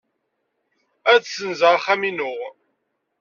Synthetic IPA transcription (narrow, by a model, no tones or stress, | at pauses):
æt͡ssənzəʁaχæminʊʁ